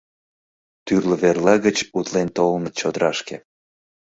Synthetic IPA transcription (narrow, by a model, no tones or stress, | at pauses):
t̪yrləβerlɑɣət͡ɕut̪lent̪olmət̪t͡ɕod̪əɾɑʃkḛ